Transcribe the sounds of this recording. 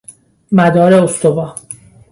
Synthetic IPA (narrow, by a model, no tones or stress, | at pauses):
mæd̪ɒːɾe̞ost̪obɒː